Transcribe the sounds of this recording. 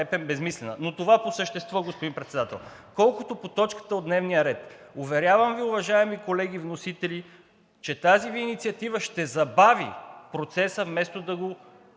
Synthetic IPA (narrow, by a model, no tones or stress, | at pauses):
ɛpɛmbɛzmislɛnə̰not̪ovaposəʃt̪ɛst̪vɔɡospod̪impɾɛt̪sɛd̪at̪ɛ̰lˠkɔlˠkot̪opot̪ɔt͡ʃkə̥t̪əod̪nɛvnijəɾɛt̪ʊvɛɾʲjavəmviʊvɐʒaɛmikolɛɡ̟ivnosit̪ɛli | t͡ʃɛt̪aziviːnit̪siɐt̪ivəʃt̪ɛzɐbavḭpɾot̪sɛsəvmɛst̪od̪ɐɡo